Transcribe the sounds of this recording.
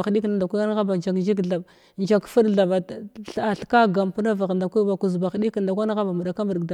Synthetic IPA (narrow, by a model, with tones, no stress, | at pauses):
xɗi˦kna˨da˨kʷa˦a˦n˦ɣa˦ba˨d͡ʒa˨kd͡ʒi˦ɡɮa˨b | nd͡ʒa˨kfu˦ɗɮa˨ba˨ɬa˨ɬka˦ɡa˨mpu˦na˦va˨ɣnda˨kʷu˦ba˨ku˨zba˨xɗi˦kn˨da˨kʷa˦n˦ɣa˦ba˨mu˨da˨ka˦mə˨dda˨